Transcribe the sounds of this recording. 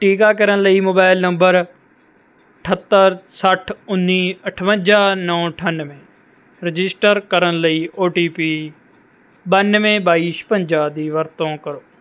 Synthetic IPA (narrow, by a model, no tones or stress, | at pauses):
ʈiːkaːkəɾənləiːmoːbaːɪlnəmbəɾ | əʈʰət̪ːəɾsəʈʰʊnːiːəʈʰʋə̃nd͡ʒaːnəːʈʰənmẽː | ɾɪd͡ʒɪsʈəɾkəɾənləiːʔoːʈiːpiː | bənʋẽːbaːiːʃpə̃ɲd͡ʒaːd̪iːʋəɾt̪õːkəɾoː